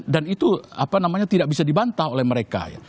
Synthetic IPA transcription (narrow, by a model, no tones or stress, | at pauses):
danit̪uapanamaɲat̪idaʔ̚bisadibant̪aholɛhməɾeka̰ja̰